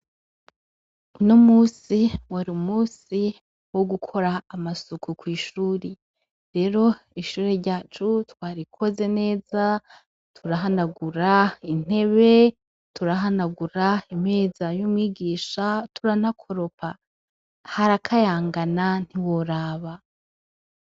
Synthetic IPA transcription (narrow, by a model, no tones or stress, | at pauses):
uno̞muːsiwaɾumuːsi | wo̞ɡukʰo̞ɾaːmasukʰukwiːʃuːɾe | ɾe̞ɾo̞iʃuːɾeɾɟaːt͡ʃutwaːɾikʰo̞ze̞ne̞ːza | tʰuɾaɦanaɡuɾain̥e̞βe̞ | tuɾaɦanaɡuɾaim̥e̞ːzajomwiːɡiːʃatuɾanakʰo̞ɾo̞pa | haɾakʰajaːŋɡanan̥iwoɾaːβa